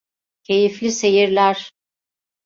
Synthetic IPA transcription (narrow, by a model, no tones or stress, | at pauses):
cʰe̞jiflʲise̞jiɾlʲæɾ̥